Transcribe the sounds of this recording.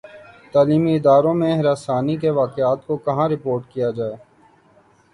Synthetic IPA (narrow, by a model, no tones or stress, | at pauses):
t̪aːliːmiɪd̪aːɾõmẽɦɾaːsaːnikeʋaːkeaːt̪kokɐɦãɾɪpoːɾʈkijad͡ʒaːeː